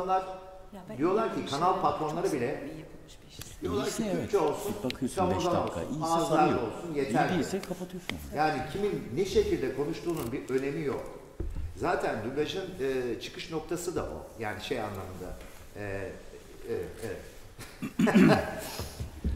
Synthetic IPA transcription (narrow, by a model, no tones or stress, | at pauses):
nlˠaɾ̥ | d̪ijo̞lˠaɾcʰikʰanalˠpʰat̪lo̞nlˠaɾɯbilʲɛ | d̪ijo̞lˠaɾcʰiyt͡ʃʰɛolˠsunkʰamozao̞lˠsunaːzlˠaɾo̞lˠsunje̞t̪ʰæɾlɛkʰapat̪ʰɯjosujjaːnicʰiminːiʃe̞cilʲd̪ɛkʰo̞nuʃt̪ʰuːnunbiʔø̞ne̞mijok | zaːt̪ʰænd̪ymʲaʒɯnɯːt͡ʃʰɯ̥kɯʃno̞k̚t̪ʰasɯd̪a̰ʔo̞̰jaːniʃeja̰nlˠamɯnd̪a̰ | ɛː | ɛvɛt̪ɛvɛt̪